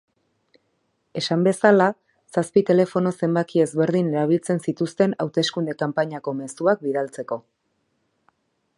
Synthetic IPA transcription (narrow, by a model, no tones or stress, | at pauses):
e̞sambe̞sala | saspit̪e̞le̞fo̞no̞se̞mbakie̞zβe̞ɾðine̞ɾaβ̞ilt͡se̞nsit̪ust̪e̞nawt̪e̞skund̪e̞kampaɲako̞me̞suak̚biðalt͡se̞ko̞